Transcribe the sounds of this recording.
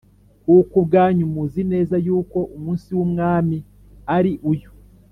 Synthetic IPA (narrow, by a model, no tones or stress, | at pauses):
kuːkubɡaːɲumuzine̞ːzajuːko̞ʔumuːnsiwumŋaːmi | aɾiʔuju